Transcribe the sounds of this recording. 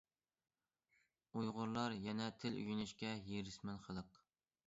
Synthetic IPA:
ujʁʊɾlˠɑɾjɛnɛt̪ʰɪly̰jynyʃkʲɛjeɾɪsmɛnχəlˠəq

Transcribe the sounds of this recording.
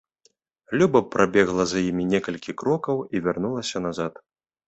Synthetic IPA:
lʲubɐpɾʔabʲɛɣlˠɐzjimʲinʲɛkɐlʲkʲikɾɔkɐwivʲarnulˠɐsʲɐnazat̪

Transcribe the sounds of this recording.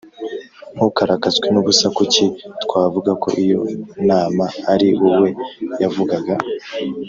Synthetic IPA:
hukaɾakazwenuβusakucitkwaːvuɡako̞̰ʔijo̞̰naːmaːɾiwuwe̞javuɡaɡa

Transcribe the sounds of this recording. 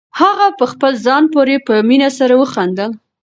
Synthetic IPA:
haɣapəxpəlzɑnpoɾepəminasaɾawəxand̪əl

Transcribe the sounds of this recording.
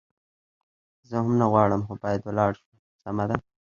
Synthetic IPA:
zəɦamnaɣwɑɽəmxobɑjad̪walɑɽʃu | samad̪a

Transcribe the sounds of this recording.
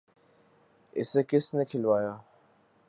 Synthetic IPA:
ɪ̰sekɪsnekʰɪlʋaːjaː

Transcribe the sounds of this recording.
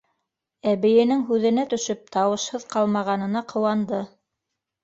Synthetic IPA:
æβɘ̆jɘ̆nɘŋɦʉðɘ̆næt̪ɵ̆ʃɵp̚t̪ɑwɤ̆ʃhɤðqɑlˠmɑʁɑnɤ̆nɑqʰɤ̆wɑnd̪ɤ

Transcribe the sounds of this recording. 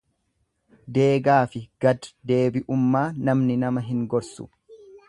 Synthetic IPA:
d̪e̞ːɡaːfɪɡ̥ɐd̪d̪e̞ːbɪʔʊmːaːnɐmnɪnɐmɐɦɪŋɡɔɾsʊ̥̰

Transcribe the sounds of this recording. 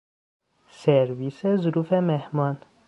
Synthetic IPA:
seɾviːsezʊɾuːfemehmɒn

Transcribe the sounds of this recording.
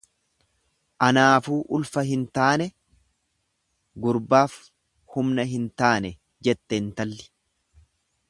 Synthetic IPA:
ʔɐnaːfuːʔʊlfɐɦɪnt̪aːnɛ | ɡʊɾbaːf | hʊmnɐɦɪnt̪aːnɛ | d͡ʒɛt̪ːɛnt̪ɐlːɪ̥

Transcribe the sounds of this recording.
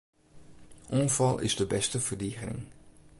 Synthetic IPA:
ʔɔnvɑlˠʔɪ̰zdəbɛstəv̥ərdiːɣənɪ̰ŋ

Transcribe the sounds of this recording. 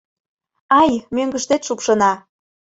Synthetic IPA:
ɑjmøŋɡəʃt̪et̪ʃupʃɤ̆nɑ

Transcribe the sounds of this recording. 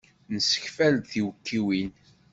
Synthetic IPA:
nəsə̥çfæld̪θiwəkʰːiwin

